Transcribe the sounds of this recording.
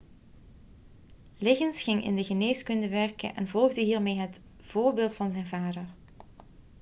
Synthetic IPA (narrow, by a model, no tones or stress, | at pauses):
lɪɣənsxɪŋɪ̰ndəɣəneːskɵndəʋɛrkə̰nʔɛ̰nvɔlˠɣdəɦiːrmeːɦət | v̥oːrbeːlˠtfɑnzɛjnvaːdər